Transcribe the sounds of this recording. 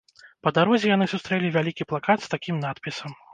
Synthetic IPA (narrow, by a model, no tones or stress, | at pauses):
pɐd̪aɾɔzʲɛjan̪ɨsust̪ɾɛlʲivʲalʲikʲiplˠakat̪st̪akʲimnat̪pʲisɐm